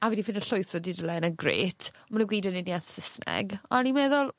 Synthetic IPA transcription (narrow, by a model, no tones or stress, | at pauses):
aviːdifɪndəɬʊɨθɔdidəlˠɛnəɡrḛːtʰ | manəɡwiːdənɪniaθsɪsnɛ̰ɡɔnimɛːðʊlˠ